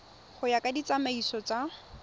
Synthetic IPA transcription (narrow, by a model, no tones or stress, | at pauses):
χʊjakʼadit͡sʼamaisɔt͡sʼa